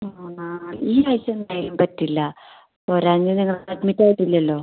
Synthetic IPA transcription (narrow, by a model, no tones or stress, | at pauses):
a | iːajsɐnːaːjilumpɐtːilːɐ | poɾaːɲːɨniŋːɐɭɐʈmitʲːaːjiʈːilːɐɐlːo̞ː